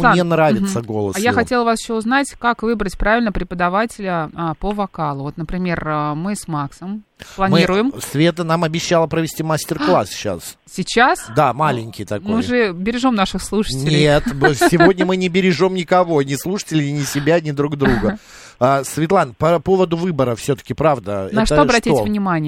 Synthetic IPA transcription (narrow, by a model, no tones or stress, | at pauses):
mnʲenɾavʲɪt̪səɡo̞̰lˠə̰sjaxɐtʲelˠəvasjɪ̥ɕːoʊznatʲkakvɨbɾətʲpɾavʲɪlʲnəpɾʲɪpəd̪ɐvatʲɪlʲəpəvɐkalˠʊvo̞t̪nəpɾʲɪmʲe̞rəmɨsmaksəmlˠɐnʲmʲɨiɾʊjɪmsvʲet̪̬ənamɐbʲɪɕːalˠəpɾəvʲɪsʲtʲimasʲtʲɪrklˠa̰sɕa̰ssʲɪt͡ɕasd̪amalʲɪnʲkʲɪjt̪ɐkmoɨjʐɨbʲɪɾʲɪʐo̞mnaʂɨxslˠuʂə̥tʲnʲɪlʲɪet̪sʲɪvo̞dʲnʲəmɨnʲɪbʲɪɾʲɪʐo̞mnʲɪkɐvo̞nʲɪslˠuʂə̥tʲɪlʲɪnʲɪsʲɪbʲanʲɪd̪ɾuɡd̪ɾuɡə | əsvʲɪt̪lˠanpɐpo̞vəd̪ʊvɨbəɾəfsʲɵt̪ə̥kʲɪpɾavd̪ənɛɐʂt̪əoɐbɾɐtʲitʲvnʲɪmanʲɪjə